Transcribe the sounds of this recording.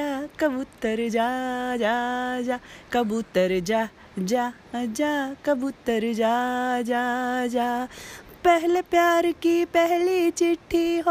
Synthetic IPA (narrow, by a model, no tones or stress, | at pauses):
akɐbʊt̪ːəɾd͡ʒaːd͡ʒad͡ʒakɐbut̪əɾd͡ʒaː | d͡ʒa | d͡ʒaːkɐbut̪əɾd͡ʒaːd͡ʒaːd͡ʒaː | pɛɦlepjaːɾkipɛɦlit͡ʃɪʈʰːiɦo